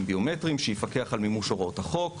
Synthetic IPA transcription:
mbio̞metʁimʃejifake̞aχalmimuʃoʁothaχo̞k

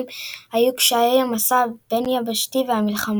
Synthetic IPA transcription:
mhajukʃaejamasabenjabaʃtiveamilχam

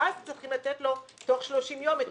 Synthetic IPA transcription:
azt͡sʁiχimlat̪etlo̞toχʃlo̞ʃimjome

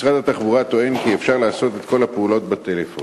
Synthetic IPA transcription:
sʁad̪at̪aχbuʁat̪o̞e̞nkiefʃaʁlaːso̞t̪e̞t̪ko̞lhapeulo̞t̪bat̪elefo

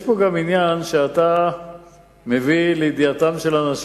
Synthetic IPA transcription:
jʃpo̞ɡaminjanʃeat̪a | me̞viled̪iat̪amʃe̞lanaʃ

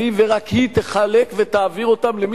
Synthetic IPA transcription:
iveʁakhit̪eχale̞kve̞t̪aːviʁo̞t̪amlem

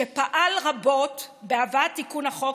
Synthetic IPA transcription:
epaʔalʁabo̞tbeavatːikunhaχo

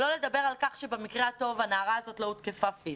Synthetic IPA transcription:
lo̞le̞d̪abe̞ʁalkaχʃe̞bemikʁeato̞vanaːʁaːzo̞tlout̪kefafiz

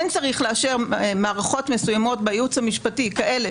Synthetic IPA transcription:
nt͡saʁiχleaʃe̞ʁmaːʁaχo̞tme̞sujamo̞tbejut͡shamiʃpatikaʔe̞le

